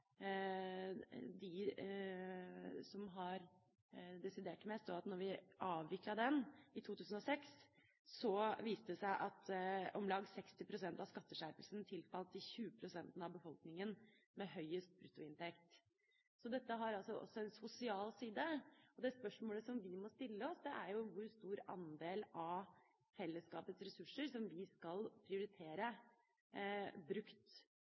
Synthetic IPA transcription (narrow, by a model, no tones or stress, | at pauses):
d̪ɪ | sɔmɦɑɾ | d̪ɛsɪd̪eːʈmɛst̪oɑt̪nɔɾʋɪʔɑːʋʋɪklɑd̪ɛnɪt̪ʰuːt̪ʰʉːsn̩ɔsɛks | sɔʋiːst̪əɛsæɪʔɑt̪ɔmlɑːɡsɛkst̪ɪpʰɾʊsɛnt̪ɑʋskɑt̪ːəʂæɾpəlsnt̪ʰɪlfɑlt̪ɪçʉːəpʰɾʊsɛnt̪n̩ɑʋbəfɔlknɪŋən | mɛɦœʏəst̪̚bɾʉt̪ːʊɪnt̪ɛkt̪ | sɔd̪ɛt̪ːəɦɑɾɑlsɔʔɔ̰sːɔɛnsʊsɪɑːlsiːd̪əɔd̪ɛspœʂmoːləsɔmʋɪmɔst̪ɪlːəɔsd̪ɛʔæɾjʊʋʊɾst̪uːɾɑ̰nd̪eːlɑ | fɛlːəskɑːpət̪sɾɛsʉʂːəɾsɔmʋɪskɑlpʰɾɪʊɾɪt̪ʰeːɾə | bɾʉkt̪